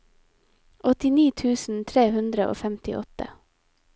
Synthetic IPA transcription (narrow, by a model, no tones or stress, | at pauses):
ʔɔt̪ɪniːt̪ʰʉːsn̩t̪ʰɾeːhʉnd̪ɾəʔo̰ːfæmt̪ɪ̰ʔɔt̪ə̰